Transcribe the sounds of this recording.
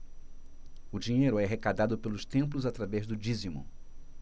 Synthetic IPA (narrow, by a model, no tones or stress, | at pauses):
ʊd͡ʒĩɲejɾʊɛɦekad̪ad̪ʊpelʊst̪ẽmplʊzat̪ɾavɛzd̪ʊd͡ʒizimʊ̰̃